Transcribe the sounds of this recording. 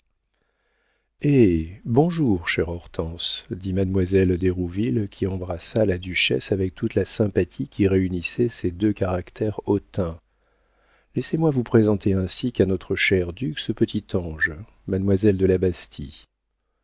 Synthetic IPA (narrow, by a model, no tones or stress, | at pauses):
ebɔ̃ʒuʁʃɛʁɔʁt̪ɑ̃sd̪imad̪mwazɛld̪eʁuvilkʲʰiɑ̃bʁasalad̪yʃɛ̰savɛk̚t̪ʰut̪lasɛ̃pat̪ʰikʲiʁeynisɛsed̪økaʁakt̪ʰɛʁɔt̪ɛ̃ | lɛsemwavupχezɑ̃t̪ʰeɛ̃sikanɔt̪χəʃɛʁd̪yksəpət̪ʰit̪ʰɑ̃ʒ | mad̪mwazɛld̪əlabast̪ʰi